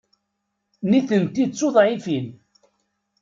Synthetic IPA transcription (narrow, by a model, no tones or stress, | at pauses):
niθənt̪it͡sːoðˤʕifin